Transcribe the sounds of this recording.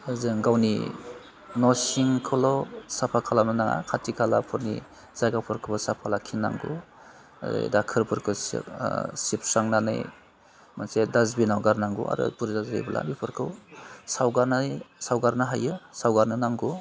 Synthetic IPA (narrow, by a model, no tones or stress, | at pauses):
ɯzɯŋɡawnḭ | nɔsiŋkʰɯlɔsapʰakʰalanɯnaŋa̰kʰatʰikʰalapʰɯɾnḭ | zaɡapʰɯɾkʰɯbasapʰalakʰinːa̰ŋɡṵ | zɯ̰dakʰɯɾpʰɯɾkʰɯs | sipʰsaŋnanɯ̰j | mansedazbinawɡaɾnaŋɡṵa̰ɾɯ̰puɾzazḛjbalʔa̰bipʰɯɾkʰɯwsawɡaɾnajsawɡaɾnaɦajɯsawɡaɾnɯnaŋɡu